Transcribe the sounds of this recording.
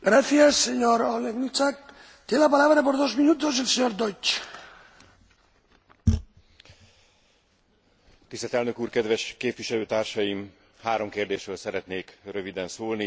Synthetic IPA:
ɡ̥ɾaθjasːeɲoɾoleɣnit͡sak̚ | t̪jelapalaβɾapoɾðozminut̪ozelseɲoɾd̪ojt͡ʃ | t̪ist̪ɛlt̪ɛlnøkuːrkɛd̪vɛʃkeːpviʃɛløːt̪aːrʃɒjim | haːɾo̞mkeːrd̪eːʃɾøːlsɛɾɛt̪neːkrøvid̪ɛnsoːlni

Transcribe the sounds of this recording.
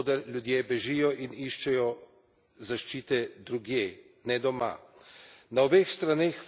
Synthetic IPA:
d̪ɐɾlʲjud̪jebɛʒiːjɔʔiniʃt͡ʃɛjɔ | zaʃt͡ʃiːt̪ɛd̪ɾuɡjeː | nɛd̪ɔma̰ | naɔbeːxst̪ɾaneːx

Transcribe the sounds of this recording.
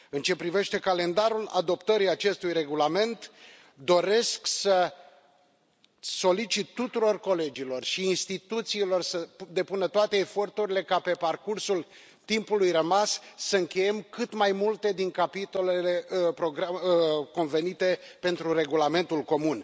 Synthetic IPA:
ɨnt͡ʃe̞pɾive̞ʃt̪e̞kale̞nd̪aɾula̰d̪o̞pt̪əɾiat͡ʃe̞st̪ujre̞ɡulame̞nt̪ | d̪o̞ɾe̞sksə | so̞lit͡ʃit̪ːut̪uɾo̞rko̞le̞d͡ʒilo̞rʃiːnst̪it̪ut̪siːlo̞rsəd̪epunət̪oat̪e̞ːfo̞rt̪uɾʲile̞kape̞parkursul | t̪impulujrəmassəɨŋkʲe̞je̞mkɨt̪majmult̪e̞d̪iŋkapit̪o̞le̞le̞pɾo̞ɡɾako̞nve̞nit̪e̞pe̞nt̪ɾure̞ɡulame̞nt̪ulko̞mun

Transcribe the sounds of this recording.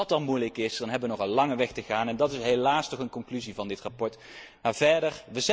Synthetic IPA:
ɑtɑnmujləkɪsdɑnɦɛbəʋənɔχɑlˠlɑŋəʋɛxtəχaːnɛndɑtɪsɦejlaːstɔχənkɔŋklyzivɑndɪtrapɔɹt | maːɹvɛɹdərʋəzɛ

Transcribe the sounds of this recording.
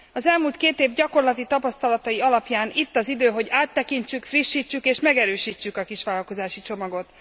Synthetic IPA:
ɒzɛlmuːlt̪keːt̪eːvɟɒko̞rlɒt̪it̪ɒpɒst̪ɒlɒt̪ɒjiɒlɒpjaːnit̪ːɒzid̪øːɦo̞ɟaːt̪ːɛkint͡ʃykfriʃːiːt͡ʃːykeːʃmɛɡɛɾøːʃiːt͡ʃːykɒkiʃʋaːlɒlko̞zaːʃit͡ʃo̞mɒɡo̞t̪

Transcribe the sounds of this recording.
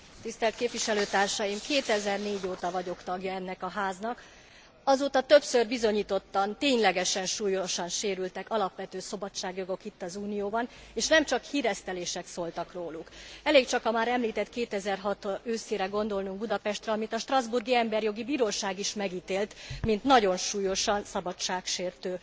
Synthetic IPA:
t̪ist̪ɛlkeːpʋiʃɛløːt̪aːrʃɒjimkeːt̪ɛzɛrneːɟoːt̪ɒvɒɟo̞kt̪ɒɡjɒɛnːɛkɒɦaːznɒk | ɒzoːt̪ɒt̪ø̞psørbizo̞ɲiːt̪o̞t̪ːɒnt̪eːɲlɛɡɛʃɛnʃuːjoʃɒnʃeːɾylt̪ɛkɒlɒpʋɛt̪øːso̞bɒt͡ʃːaːɡjo̞ɡo̞kit̪ːɒzuːnijoːbɒneːʃnɛmt͡ʃɒkhiːɾɛst̪ɛleːʃɛksolt̪ɒkroːlukɛleːkt͡ʃɒkɒmaːɾɛmliːt̪ɛt̪keːt̪ɛzɛrɦɒt̪øːseːɾɛɡo̞nd̪o̞lnuŋɡ̚bud̪ɒpɛʃt̪rɛɒmit̪ɒʃt̪rɒzburɡiɛmbɛrjo̞ɡibiːɾoːʃaːɡiʃmɛɡiːt̪eːlt̪mint̪nɒɟo̞nʃuːjo̞ʃɒnsɒbɒt͡ʃːaːkʃeːrt̪øː

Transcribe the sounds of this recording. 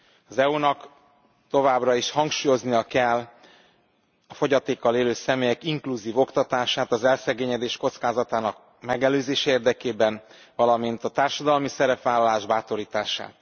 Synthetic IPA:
ɒzɛunɒk | t̪o̞vaːbrɒiʃhɒŋkʃuːjo̞znijɒkɛlː | ɒfo̞ɟɒt̪eːkːɒleːløːsɛmeːjɛkiŋkluziːvo̞kt̪ɒt̪aːʃaːt̪ɒzɛlsɛɡeːɲɛd̪eːʃko̞t̪skaːzɒt̪aːnɒk | mɛɡɛløːzeːʃɛeːrd̪ɛkeːbɛn | vɒlɒmint̪ɒt̪aːrʃɒd̪ɒlmisɛɾɛpʋaːlːɒlaːʒbaːt̪o̞ɾiːt̪aːʃa̰ːt̪

